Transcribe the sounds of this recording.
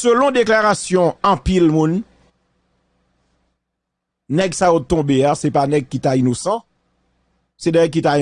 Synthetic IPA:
sølɔ̃d̪eklaʁasjɔ̃ɑ̃pilmũn | nɛɡsajot̪ɔ̃beasɛpanɛɡ̚kit̪ainosɑ̃ | sɛnɛɡ̚kit̪ai

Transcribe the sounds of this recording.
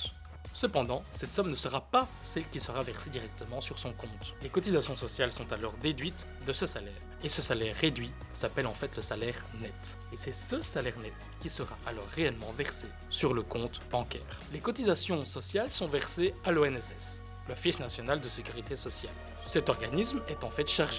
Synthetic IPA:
səpɑ̃d̪ɑ̃sɛt̪sɔmnəsəʁapasɛlkʲisəʁavɛʁsed̪iʁɛk̚t̪əmɑ̃syʁsɔ̃kɔ̃t̪lekɔt̪izasjɔ̃sɔsjalsɔ̃t̪alɔʁd̪ed̪ɥit̪ | d̪əsəsalɛːʁ | esəsalɛʁːed̪ɥi | sapɛlɑ̃fɛt̪ləsalɛʁ | nɛt̪ | esɛsəsalɛʁnɛt̪kʲisəʁaʔalɔːʁːeɛlmɑ̃vɛʁse | syʁləkɔ̃t̪bɑ̃kʲɛ̰ːʁlekɔt̪izasjɔ̃sɔsjalsɔ̃vɛʁsealoɛnɛsɛs | lɔfiʃnasjɔnald̪əsekʲyʁit̪esɔsjal | sɛt̪ɔʁɡanismɛt̪ɑ̃fɛt̪ʃaʁʒe

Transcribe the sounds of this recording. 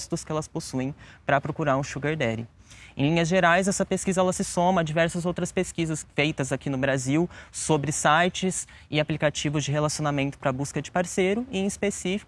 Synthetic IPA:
st̪ʊskɪɛlɐsposuẽj̃pɾɐpɾokuɾaɾũʃuɡeɾd̪ɛɾɪ | ẽlĩɲɐzʒeɾajzɛsɐpeskizɐɛlɐsɪsõmɐːd͡ʒivɛɾsɐzowt̪ɾɐspeskizɐsfejt̪ɐzakinʊbɾaziwsobɾɪsajt͡ʃɪz | ɪaplikat͡ʃivʊzd͡ʒɪɦelasionamẽnt̪ʊ̥pɾɐbuskɐd͡ʒɪpaɾseɾʊɪẽɪspesifi̥

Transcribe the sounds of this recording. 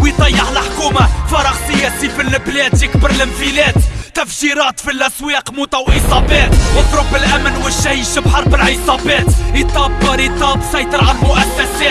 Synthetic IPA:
wijt̪ˤɑjːɑʕlħkuːmafɑɾˤɑɣsəjːɛsifəlblɛt̪jəkbəɾlɪmfilɛːt̪ːæfʃiɾɑːt̪filʔæswiqmʊt̪ˤɑwʔisˤɑbɛːt̪wət̪ˤɾʊbɪlʔæmənwəʃːæjʃəbħɑɾˤbɪlʕisˤɑbɛːt̪it̪ˤɑbːəɾit̪ˤɑbsɑjt̪əɾʕalmʊʔæsːæsɛː

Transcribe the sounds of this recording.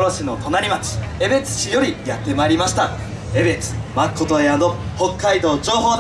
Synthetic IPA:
ɾoɕino̞t̪o̞naɾʲimat͡ɕi̥e̞be̞t͡sɨ̥ɕijoɾʲijat̪ːe̞maɾʲimaɕi̥t̪a | e̞be̞t͡sɨ̥makʰːo̞t̪oead̪o | ho̞kːaid̪o̞ːd͡ʑo̞ːɦo̞ːd̪

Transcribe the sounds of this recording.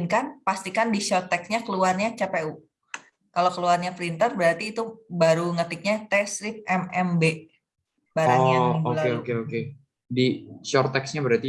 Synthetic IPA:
nkanpast̪ikandiʃɔrt̪ɛksɲakəluarɲat͡ʃapeu | kalokəluarɲafɾint̪ərbəɾart̪iːt̪ubaɾuŋət̪ɪk̚ɲat̪ɛsɾɪp̚ʔɛmɛmbe | baɾaɲɲaiolaeokeoke | diʃɔrt̪ɛksɲabəɾat̪i

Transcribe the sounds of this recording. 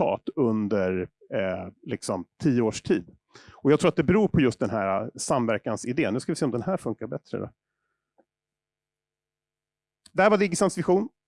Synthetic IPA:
ɑ̰ːt̪ɵnd̪əɾ | lɪksɔmt̪ʰiːəoːʂʈʰiːd̪ | ɔjɑːɡt̪ʰɾuːat̪̚d̪ɛbɛɾuːɾpʰɔjɵst̪̚d̪ɛnɦæːɾa̰samvæɾkansɪd̪eːnːʉskavɪseːɔmd̪ɛnhæːɾfɵŋkaɾbɛt̪ɾə̰d̪ɔ̰ | d̪ɛhæːɾvad̪ɪɡɪsansvɪɧuːn

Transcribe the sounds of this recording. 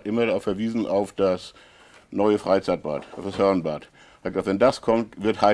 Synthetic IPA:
tʔɪmɐdaʁaʊfɛɐviːzn̩ʔa̰ʊfd̥as | nɔʏəfʁ̥aɪt͡saɪt̚b̥a̰ːtaʊfd̥ashœɐənbaːt | akavɛndaskʰɔmtv̥ɪɐthaɪ

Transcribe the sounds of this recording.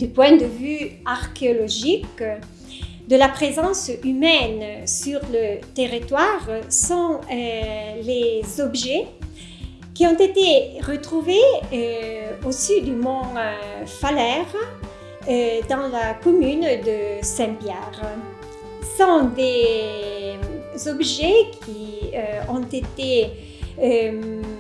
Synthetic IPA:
d̪ypwɛ̃d̪əvyaʁkeɔlɔʒik | d̪əlapʁezɑ̃symɛnsyʁlət̪eʁit̪waʁsɔ̃ | lezɔbʒɛ | kiɔ̃nt̪et̪eʁət̪ʁuveøosyd̪əmɔ̃ | falɛʁ | d̪ɑ̃lakomynd̪əsɛ̃pjɛʁ | sɔ̃d̪e | zɔbʒekʰiøɔ̃t̪et̪e | ø

